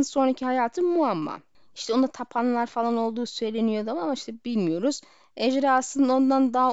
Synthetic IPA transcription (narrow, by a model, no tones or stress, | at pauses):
so̞nɾacʰihajaːt̪ʰɯmuamːa̰ | i̥ʃt̪ʰɛonat̪ʰapʰanlˠaɾfalˠano̞lˠd̪uːsø̞jlʲe̞nijo̞d̪amamaiʃt̪ʰɛbilʲmijo̞ɾuz̥ | ed͡ʒɾɛaslˠɯnd̪ao̞nd̪and̪aɦa